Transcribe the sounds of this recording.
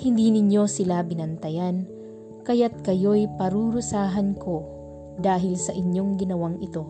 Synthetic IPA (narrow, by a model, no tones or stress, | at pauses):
hɪnd̪inɪɲjo̞sɪlabɪnɐnt̪ɐjan | kɐjat̪̚kɐjojpɐɾuɾʊsaːɦɐnkʰo̞ | d̪aːɦɪlsɐʔɪɲjo̞ŋɡɪnɐwaŋʔɪt̪o̞